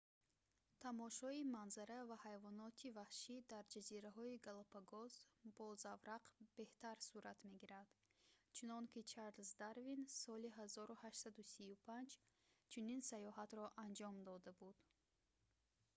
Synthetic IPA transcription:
t̪ʰamɔʃɔimanzaɾavahajvɔnɔt̪ʰivahʃid̪aɾd͡ʒaziɾaɦɔiɡalˠɔpʰaɡɔzb̥ɔzavɾaqb̥e̞ht̪aɾsuɾat̪me̞ɡiɾad̪̥t͡ʃʰunɔŋkit͡ʃʰaɾlsd̪aɾvinsɔliɦazɔɾuhaʃtsad̪usiupʰand͡ʒ | t͡ʃʰuninsajɔɦat̪ɾɔʔand͡ʒɔmd̪ɔd̪abud̪̥

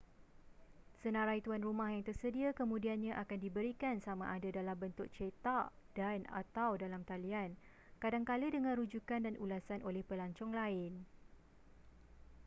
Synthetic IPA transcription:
sənãɾajt̪uanrumãhjaŋt̪ərsədiakəmũdianɲãʔakandibəɾikansamã̰ʔadadalambənt̪ʊʔ̚t͡ʃet̪aʔdana̰t̪awdalamt̪alian | kadaŋkalədəŋãnɾud͡ʒukandanʔulasanʔolɛhpəlaɲt͡ʃɔŋlaɪn

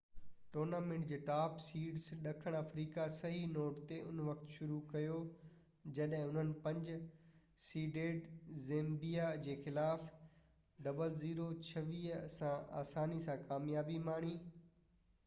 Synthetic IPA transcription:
ʈoːɾnaːmẽɳʈd͡ʑeːʈaːpsiːɖsɗɐkʰəɽ̃əfɾiːkasɐɦinoːʈt̪eʊnʋɐkʰt̪ʃʊɾukɐjo | d͡ʑɐɗɦɪ̃ʊn̤ənɪ̆pɐ̃ɲd͡ʑʊ | siːɖeːɖzẽːmbijad͡ʑeːxɪlaːf | ɖɐbəlziːɾot͡ɕʰɐʋiːɦsãa̰ːsaːnisãkaːmjaːbimaːɽ̃iː

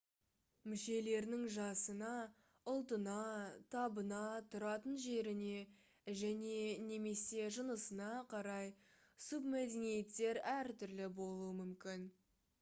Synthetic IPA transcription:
mʏʃe̞le̞ɾnɪŋʒɑsənɑ | ʊlˠt̪ənɑt̪ʰɑbənɑt̪ʰʊɾɑt̪ənʒe̞ɾɪne̞ | ʒæne̞ne̞me̞se̞ʒənəsənɑqʰɑɾɑj | sub̚mæd̪e̞nije̞t̪ːe̞ɾæɾt̪ʏɾlɪbo̞lˠuəmʏmkʲɪn

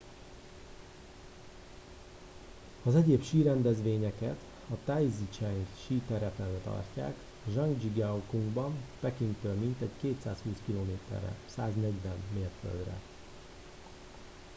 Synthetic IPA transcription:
ɒzɛɟeːpʃiːɾɛnd̪ɛzʋeːɲɛkɛt̪ | ɒt̪ajzit͡ʃɛŋɡʃiːt̪ɛɾɛt̪ɛnɛt̪ɒ̰rca̰ːk | ʒɒŋɡd͡ʒiɡɛukuŋɡbɒmpɛkiŋkt̪øːlmint̪ɛɟkeːt̪saːshuːskiloːmeːt̪ɛ̰rɛ̰saːznɛɟʋɛnːeːfø̰ld̪rɛ̰

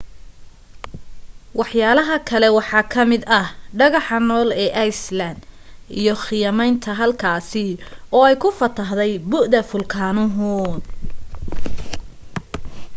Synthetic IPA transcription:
wɑħjaːlɐɦɐkʰɐlɛwɑħɑːkʰɐmɪd̪ɐɖɐɣɑħɑnɔːlɛːʔɑjslɐnd̪ḭjɔxɪjɐmɛjnt̪ʰɐɦɐlkʰaːsɪɔːɛjkʰʊfɐt̪ʰɐɦðɛjbʊʔd̪ɐfʊlkʰaːnʊɦʊn

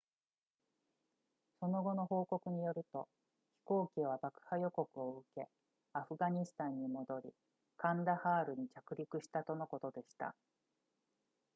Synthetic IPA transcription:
so̞no̞ɡo̞no̞ho̞ːko̞kɯ̟ɲ̟ijo̞ɾɯ̟t̪o̞ | çi̥ko̞ːkʲiβ̞abakɯ̟̥hajo̞ko̞kɯ̟oɯke̞ | aɸɯ̟ɡaɲ̟isɨ̥t̪ãɲ̟ːimo̞d̪o̞ɾʲḭ | kãnd̪ahaːɾɯ̟ɲ̟it͡ɕakɯ̟ɾʲikɯ̟ɕi̥t̪at̪o̞no̞ko̞t̪o̞d̪e̞ɕi̥t̪a̰

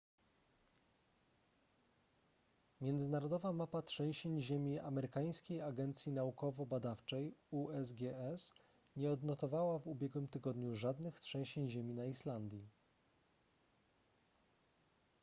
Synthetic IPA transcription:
mʲjɛnd̪zɘnaɾɔd̪ɔvamapatʂɛ̃w̃ɕeɲʑemʲiamɛɾɘkaj̃skʲejaɡɛnt̪sʲjinaukɔvɔbad̪aft͡ʂɛjuɛzɡʲɛɛs | ɲɛɔd̪nɔt̪ɔvawavubʲjɛɡwɘmt̪ɘɡɔd̪ɲuʐad̪nɘxtʂɛ̃w̃ɕeɲʑemʲinaiʂland̪ʲji

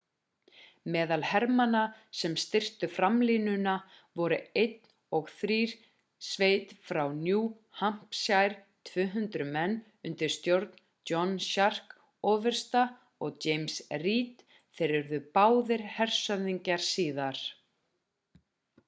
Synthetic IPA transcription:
mɛːðalhɛɾmanasɛmst̪ɪr̥t̪ʏfɾamlinʏna | vɔɾʏejt̪n | ɔɣθɾiːɾ̥ | sveːjt̪fɾawnjuː | ham̥psjajɾ̥ | t̪ʰvʏːɦʏnt̪ɾʏmɛnː | ʏnt̪ɪɾ̥st̪jowɾt̪n̥ | t͡ɕɔnɕar̥k | ɔːvɛɾ̥st̪a | ɔɣt͡ɕeːjmsriːt̪ | θɛɾɪɾðʏpaːwðɪɾ̥hɛr̥sœðiɲcaɾ̥siːðaɾ̥

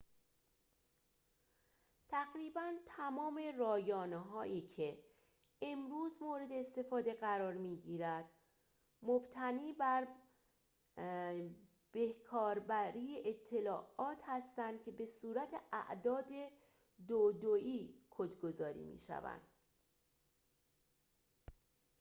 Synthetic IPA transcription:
t̪ʰæɣɾiːbænt̪ʰæmɒːme̞rɒːjɒːneɦɒːʔiːcʰe̞ | emɾuːzmoːɾe̞d̪e̞ːst̪e̞fɒːd̪e̞ɢæɾɒːɾmiːɟiːɾæd̪̥ | mobt̪ʰæniːbæɾ | b̥e̞hkʰɒːɾbæɾiːeʔet̪ʰːe̞lɒːʔɒːt̪ʰhæst̪ænd̪̥cʰe̞be̞suːɾæt̪ʰe̞ʔæ̰ʔd̪ɒːd̪e̞ | d̪od̪oʔiːkʰod̪ɡo̞zɒːɾḭːmḭːʃæ̰væ̰nd̪̥

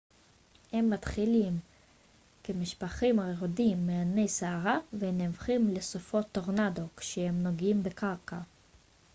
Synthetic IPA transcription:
he̞mːat̪χilim | kemiʃpaχimaʁeʁodimːeane̞jseaʁavenevχimlesofo̞t̪ːoʁnad̪okʃehemno̞ɡimbekaʁka

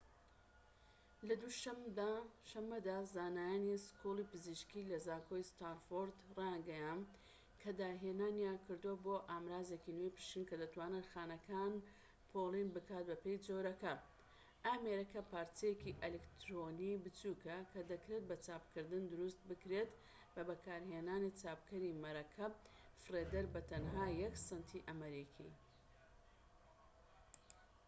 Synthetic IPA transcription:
lɐd̪uʃɐmd̪aʃɐmːɐd̪aːzaːnaːjaniskulˠipɨziʃkilɐzaːkʰojst̪aɾfoɾd̪raŋɡɐjan | kʰɐd̪aːɦenaːnjakʰɨɾd̪uwoboːʔaːmɾaːzekinejpɨ̥ʃt̪inkɐd̪ɐt̪waːnɨnxaːnɐkʰaːn | pʰolinbɨkaːt̪̚bɐpe̞jd͡zoɾɐkɐ | ʔaːmeɾɐkɐpaːɾt͡sijekiʔelekt̪ɾonibɨt͡suːkɐkʰɐd̪ɐkɾe̞t̪̚bɐt͡saːpkʰɨɾd̪ɨnd̪ʊɾust̪̚bɨkɾet̪ | bɐbɐkaːɾɦeːnaːnit͡saːpkʰɐɾimɐɾɐkʰɐ | fred̪ɐɾbɐt̪ɐnɦaːjɐksɨnt̪ʰiʔɐmɐɾikʰḭ

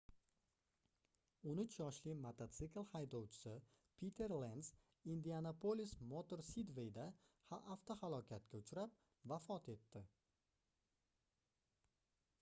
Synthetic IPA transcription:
onʊt͡ʃʰjɒʃlimat̪ʰat̪sɪklˠhajd̪owt͡ʃʰɪ̥sɪ | pʰit̪ʰe̞ɾland̪s | ind̪ianapʰolismot̪oɾsid̪vejd̪a | haʔaft̪ʰohalˠɒkʲʰat̪kʲaʊt͡ʃʰɾap̚ | vafɒt̪ʰe̞t̪ːɪ

